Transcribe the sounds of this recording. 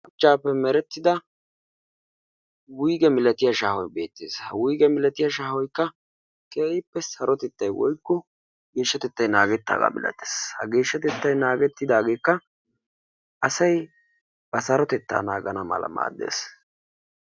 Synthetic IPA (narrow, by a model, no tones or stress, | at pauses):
ʊt͡ʃːaːpːɛmɛɾɛt̪ːɪd̪ɐ | wʊjɡɛmɪlɐt̪ɪjɐʃaːhɔjbe̞ːt̪ːḛːshɐwʊjɡɛmɪlɐt̪ɪjɐʃaːhɔjkːɐ | kʰʼeːɪpːɛsɐɾɔt̪ɛt̪ːɐjwɔ̰jkːɔ | ɡe̞ːʃːɐt̪ɛt̪ːɐjnaːɡɛt̪ːa̰ːɡa̰ːmɪ̰lɐ̰t̪ːe̥ːshɐɡe̞ːʃːɐt̪ɛt̪ːɐjnaːɡɛt̪ːɪd̪aːɡe̞ːkːɐ | ʔɐsɐj | b̥ɐsɐɾɔt̪ɛt̪ːa̰ːnaːɡɐnɐmɐ̰lɐ̰ma̰ːd̪ːe̞̰ːs